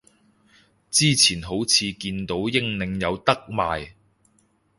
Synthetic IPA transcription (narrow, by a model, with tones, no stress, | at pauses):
t͡siː˥t͡sʰiː˨˩nɦo˨˥wt͡sʰiː˨˧kiː˧nt̪o˨˥wjɪ˥ŋnɪ˧ŋjɐ˨˧wt̪ɐ˥k̚ma̰ː˨j